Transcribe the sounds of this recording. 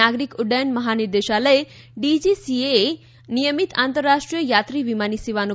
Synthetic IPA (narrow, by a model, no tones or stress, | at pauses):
aɡɾikuɖəjnməɦaniɾd̪eʃaləe | ɖid͡ʒisiee | nijəmit̪ant̪əɾːaʃʈɾijəjat̪ɾiʋimaniseʋanu